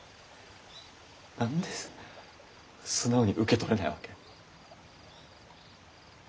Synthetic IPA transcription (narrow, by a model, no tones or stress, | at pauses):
nãnd̪esɨ̥ | sɨnːaoɲ̟iʔɯ̟ke̞t̪o̞ɾe̞naḭβake̞